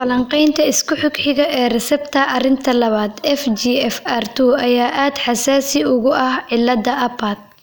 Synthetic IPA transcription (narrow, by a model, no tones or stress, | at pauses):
fɐlɐɴqɛjnt̪ʰɐɪskʰʊħʊkħɪɣɐʔɛːrɛsɛbt̪ʰɐʔɐrɪnt̪ʰɐlɐβaːd̪ɛfd͡ʒiːɛfart̪ʰuɐjaːʔaːd̪ħɑsaːsɪʊɣʊɐhʕɪlːɐd̪ɐʔɐpat̪̚